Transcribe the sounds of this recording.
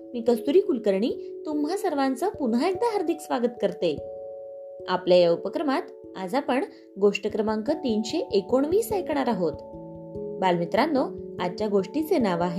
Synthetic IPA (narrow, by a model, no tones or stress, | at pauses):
miːkəst̪uɾiːkulkəɾɳiːt̪umɦasəɾʋant͡səpunɦaek̚d̪aɦaɾd̪ʱiksʋaɡət̪kəɾt̪e | apljajaəwpəkɾəmat̪ | a̰d͡zʱapəɳ | ɡoʂʈəkɾəmaŋkət̪iːnɕeʔekoɳ̃ʋiːsajkɳaɾaɦot̪ | balmit̪ɾanːɔad͡ʑt͡ɕjaɡoʂʈit͡senaʋaɦe